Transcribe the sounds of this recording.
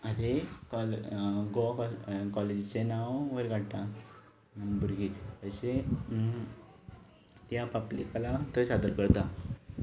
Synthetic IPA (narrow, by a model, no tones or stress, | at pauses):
ad̪ekɔlɡɔkkɔled͡ʑt͡senawʋəɾɡʱaɽʈ̪ã | buɾɡiəse | t̪japablḭkalat̪əsad̪əɾkəɾt̪a